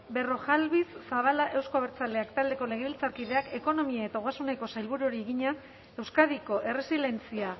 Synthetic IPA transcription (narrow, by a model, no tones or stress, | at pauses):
be̞ro̞ʝalβisːaβ̞alaʔe̞wskoβeɾt͡sald̪e̞akt̪ald̪e̞ko̞le̞ɣ̞eβilt͡saɾkið̞e̞ake̞ko̞no̞miae̞t̪aoɣasuneko̞sajlβuɾuoɾieɣiɲa | e̞wskaðiko̞ʔe̞re̞sile̞nt͡sia